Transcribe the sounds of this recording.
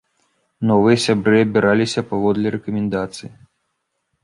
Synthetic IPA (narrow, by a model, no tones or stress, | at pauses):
nɔvɨjɐsʲabɾɨɐbʲiɾalʲisʲɐpavɔd̪lʲɐɾɛkɐmʲɛnd̪at̪sɨji